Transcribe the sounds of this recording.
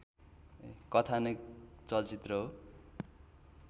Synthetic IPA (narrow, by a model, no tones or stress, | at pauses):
kʌt̪ʰanʌjt͡sʌlt͡sit̪rʌɦo